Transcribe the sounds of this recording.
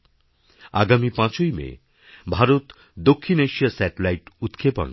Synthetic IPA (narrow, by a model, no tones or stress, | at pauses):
a̰ɡamipãt͡ɕojmḛ | bʱaɾot̪ | d̪okʰːineʃiasɛʈelajʈut̪kʰepɔ̰n